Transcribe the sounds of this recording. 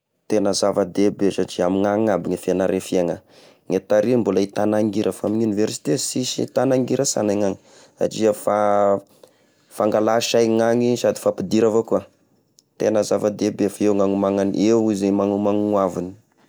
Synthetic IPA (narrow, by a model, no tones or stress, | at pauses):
t̪enəzavad̪ebesaʈ͡ʂiamiŋaŋabiŋafianaɾefiaŋa | ŋet̪aɾimbolait̪anaŋɡiɾəfaminuniveɾsi̥t̪esisḭt̪anaŋɡiɾəsa̰najŋaŋi | sa̰ʈ͡ʂiafa | faŋɡalaʃajŋaŋisad̪i̥fapid̪iɾavoka | t̪enəzavad̪ebefeŋaŋumaŋanʔewizamaŋumaŋwavuni̥